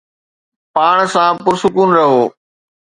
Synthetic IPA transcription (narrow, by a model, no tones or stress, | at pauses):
paːɳ̃sãːpʊɾsʊkuːnɾɐɦoː